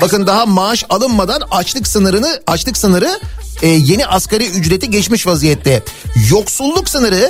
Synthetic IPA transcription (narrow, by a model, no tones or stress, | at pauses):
bakɯnd̪aɦamaːʃalˠɯnmad̪anat͡ʃlˠɯksɯnɯɾɯnɯat͡ʃlˠɯksɯnɯɾɯː | je̞niʔaskaɾiyd͡ʒɾet̪ʰiɟɛt͡ʃmiʃvazijɛt̪lɛjo̞ksulˠːuksɯnɯɾɯ